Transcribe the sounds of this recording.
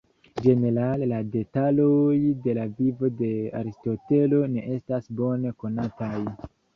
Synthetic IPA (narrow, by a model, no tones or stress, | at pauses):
d͡ʒe̞ne̞ɾalelade̞talojde̞lavivo̞de̞a̰ɾistote̞lo̞ne̞ʔe̞stasbo̞ne̞ko̞nataj